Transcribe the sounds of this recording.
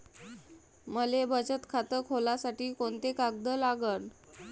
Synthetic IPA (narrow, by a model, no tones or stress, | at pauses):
məlebət͡ɕət̪kʰat̪əkɦolasaʈiːkoɳt̪ekak̚d̪əlaɡən